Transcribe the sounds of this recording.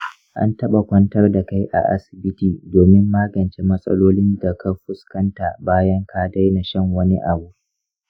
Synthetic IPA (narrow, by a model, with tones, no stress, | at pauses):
ʔa̰˦ntɐ˦ɓa˨kʷɐ˦ntɐ˦rda˨ka˦jʔa̰˨ʔa̰˦sɪ̥˨bɪ˦tiː˨doː˨mɪ˦mːaː˦ɡɐ˨nt͡ʃe˦mɐ˦sʼɐ̰˦loː˦lɪ˦nda˨kʰɐ˦ɸʊ˦skɐ˦nta˨baː˦jɐ˦ŋkʰaː˦da˦jna˨ʃɐ˦ŋwɐ˦ni˦ʔa˨buː˦